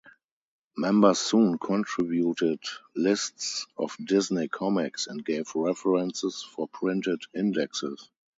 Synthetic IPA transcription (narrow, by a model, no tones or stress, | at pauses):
mɛ̃mbə˞sũːnkʰɔ̃ntʰɹɪbjutɪdlɪstsɔ̰fdɪznekʰɔmɪksɛ̃nt̚ɡ̥eɪvɹɛfəɹɛ̃nsɪsfɔpʰɹɪ̃ntɪdɪ̃ndɛksɪs